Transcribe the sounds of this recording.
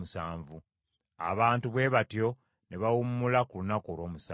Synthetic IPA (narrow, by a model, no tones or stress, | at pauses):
usaːɱvu | a̰βaːntuβwe̞ːβatjo̞ | neβawumːulakulunakolo̞ːmusaː